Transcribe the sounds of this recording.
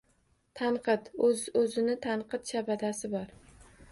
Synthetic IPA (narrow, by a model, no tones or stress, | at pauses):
t̪ʰanqʰɨt̪zɵzɪnɪt̪ʰanqɨt̪ʃabad̪asɪbɒɾ